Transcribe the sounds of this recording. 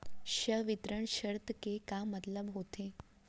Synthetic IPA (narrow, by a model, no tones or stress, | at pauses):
ʃəʋɪt̪ɾəɳ̃ʃəɾt̪kekamət̪ləbɦot̪ʰe